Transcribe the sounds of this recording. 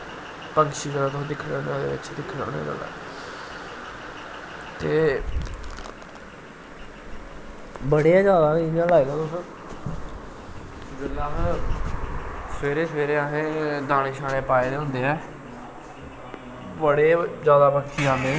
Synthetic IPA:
pəŋkʃiːkəɾaːt̪̬ʊsːd̪ɪkʰːɽ̃ːnejãd̪ḛːʋɪ̰t͡ʃd̪ɪkʰːnõ̰ːnḛːd͡ʒə̰ːd̪a̰ː | t̪eː | bəɽeãːd͡ʒjaːd̪aːnijãːlaːiɡ̪ãːt̪ʊsː | d͡ʒəlːaːɦ | sʋeːɾeːsʋeːɾeːaɦeːd̪aːneːʃaːɽẽːpaːeːd̪eːɦʊ̃nd̪eːɛː | bəɽeːd͡ʒjaːd̪aːpəŋkʃʰiːaːẽː

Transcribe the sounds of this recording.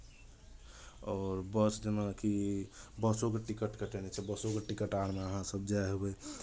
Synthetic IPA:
ɔːɾbəsd͡ʒemakibəsokeʈikəʈkəʈenɛt͡ʃʰɛbəsokeʈikəʈaɽmeəɦãsəbd͡ʒaeɦobɛ

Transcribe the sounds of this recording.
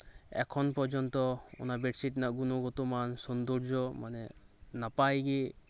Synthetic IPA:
ɛ̰kʰɔnpɔɾd͡ʒɔnt̪ɔṵnabɛʈsiʈnaʔɡunɔɡɔt̪omansɔnd̪ɔɾd͡ʒɔmanɛ | napajɡi

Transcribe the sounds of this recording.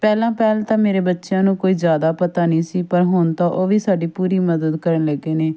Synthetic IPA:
pɛːlãːpɛːlt̪ãːmeːɾeːbətːʃjãːnũːkoːiːzjaːd̪aːpət̪aːnĩːsiːpəɾɦʊnt̪õːʔoːʋiːsaːɖiːpuːɾiːməd̪əd̪kəɾənləɡːeːneː

